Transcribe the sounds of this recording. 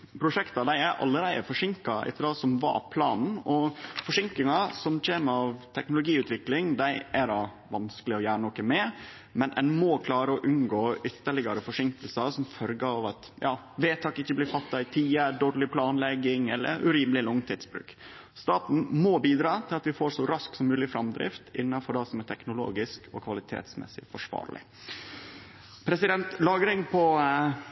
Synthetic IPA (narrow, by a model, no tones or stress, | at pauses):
pʰɾʊʂɛkt̪ɑd̪æɪæɾʔɑ̰lːəɾæɪəfɔʂɪŋkɑʔɛ̰t̪ːəɾɑːsɔmʋɑ̰pʰlɑ̰ːnn̩ɔfɔʂɪŋkɪŋɑsɔmc͡çeːməɑʋt̪ʰɛknʊlʊɡiːʉːt̪ʰʋɪklɪŋd̪æɪʔæɾɑ | ʋɑnskəlɪɔjæːɾənɔkəmɛ | mɛnʔɛnmɔkʰlɑːɾəɔʔʉnɡoːʔʏt̪ːəɭɪɡɑɾəfɔʂɪŋkəlsɑsɔmfœɾɡəɑʋɑt̪jɑː | ʋeːt̪ʰɑːkɪçːəblɪːɾfɑt̪ːɑɪt̪ʰiːəɖoːɾlɪpʰlɑːnlɛɡːɪŋɛlːʔə̰ɾʉ̰ɾiːmlɪlʊŋt̪ʰɪːt̪sbɾʉ̰ːk | st̪ɑːt̪n̩moːbiːd̪ɾɑːt̪ʰɪlɑt̪ʋɪfoːɾʂɔɾɑsksɔmːʉːlɪfɾɑmd̪ɾɪ̰ft̪ɪ̰nːɑfɔɖɛsɔmæʈ̪ʰɛknʊlo̰ːɡɪskɔkʰʋɑlɪt̪ʰḛːt̪smɛ̰sːɪfɔʂʋɑ̰ːɾlɪ̰ | pʰɾɛsɪd̪ɛnt̪lɑːɡɾɪŋpʰɔ